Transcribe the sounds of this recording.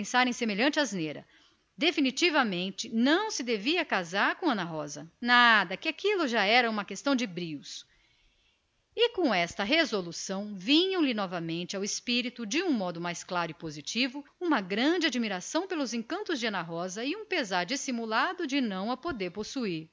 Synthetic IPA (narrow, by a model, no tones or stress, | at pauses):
ẽsaɾẽj̃semeʎɐ̃nt͡ʃɪazneɾɐ̰ | d̪efinit͡ʃivɐmẽnt͡ʃɪnɐ̃w̃sɪd̪eviɐkazaɾkõɐ̃nɐɦɔzɐnad̪ɐkɪakilʊʒaɛɾɐũmɐkest̪ɐ̃w̃d͡ʒɪbɾiws | ɪkõw̃ɛst̪ɐɦezolusɐ̃w̃vĩɲɐ̃w̃lɪnɔvɐmẽnt͡ʃɪawɪspiɾit̪ʊd͡ʒɪũmɔd̪ʊmajsklaɾʊɪpozit͡ʃivʊũmɐɡɾɐ̃d͡ʒɪad͡ʒimiɾasɐ̃w̃pelʊzẽkɐ̃nt̪ʊzd͡ʒɪɐ̃nɐɦɔzɐɪũpezaɾd͡ʒisimulad̪ʊd͡ʒɪnɐ̃w̃ɐpod̪eɾposuiɾ